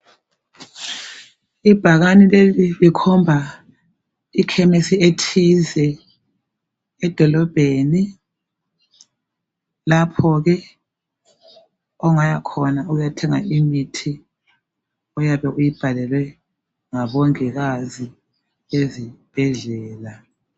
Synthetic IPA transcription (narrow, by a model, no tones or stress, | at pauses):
ib̥ʱaɣanilelilikʰɔmbʱa | ikʰɛmesietʰizɛ | d̥ʱɔlɔb̥ʱeni | lapʰɔɣɛ | ɔŋajakʰɔnaujatʰɛŋa̰imitʰi | ɔjaβɛʔujib̥ʱalɛlwɛ | ŋaβɔŋɛɣazi | ezib̥ʱɛɮɛːla